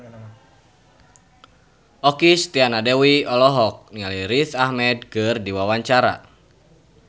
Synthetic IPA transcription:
ʔɔkist̪ianadɛwiɔlɔɦɔk̚nialiɾiθahmɛd̚kɨrdiwawaɲt͡ʃaɾa̰

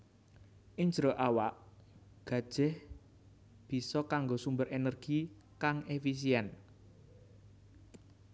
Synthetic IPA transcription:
ʔiɲd͡ʒɾoʔawaʔ | ɡ̥ä̤d̥ʒ̥ɛh | b̥i̤sɔkaŋɡosumbəɾʔenərɡ̥i | kaŋefis̬iɛn

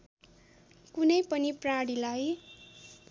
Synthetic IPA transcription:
kunʌjpʌnipraɽilaj

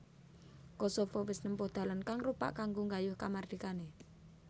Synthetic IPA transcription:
kosofɔwɪsnəmpʊhd̪̥a̤lankaŋrupa̰ʔkaŋɡoŋɡajʊhkamard̪̥ikane

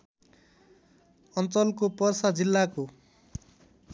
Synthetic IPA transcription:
ʌnt͡sʌlkopʌrsad͡zilːako

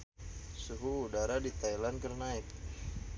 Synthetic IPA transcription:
suɦuːdaɾadit̪ajlankərnaɪk̪̚

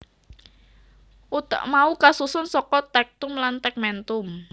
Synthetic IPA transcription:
ʔut̪ə̰ʔmaukasusʊnsɔkɔt̪ɛk̚t̪ʊmlant̪ɛk̚mɛnt̪ʊm

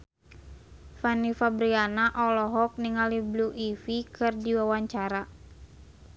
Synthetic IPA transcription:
fanifabɾianaʔɔlɔɦɔk̚niŋalibluʔifikɨrdiwawaɲt͡ʃaɾa

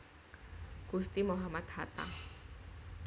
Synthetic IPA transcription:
ɡ̥ust̪imoɦamat̪hat̪a̰

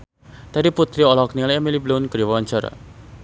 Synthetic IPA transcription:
d̪̥aɾiput̪ɾiɔlɔknilaɛmiliblonkɾiwant͡ʃəɾ̰

